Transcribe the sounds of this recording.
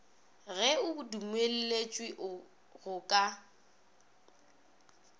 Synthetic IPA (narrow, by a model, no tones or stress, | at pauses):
ɣɛʊʊdumwel̩let͡ʃʼwiʔ | ɣʊkʼa